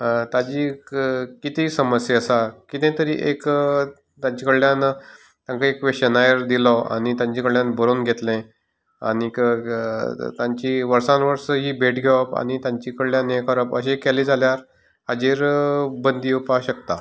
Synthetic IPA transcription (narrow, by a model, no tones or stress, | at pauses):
t̪ad͡ʑiː | kit̪ĩsəməsjeəsakit̪ɛ̃t̪əɾḭːʔek | t̪jaɲt͡ɕikəɭljãn | t̪jãŋkəekʋeɕənajəɾd̪ilɔa̰ñit̪jãɲt͡ɕikəɭljãnbəɾonɡʱet̪lɛ̃ | a̰nik | t̪jãɲt͡ɕiʋəɾsãnʋəɾsəɦiːbʱeʈɡʱeʋapa̰ñit̪jãɲt͡ɕikəɭljãnekəɾəpəɕekɛliːd͡zʱaljaɾ | ad͡ʑiɾbənd̪iːupaɕəkt̪a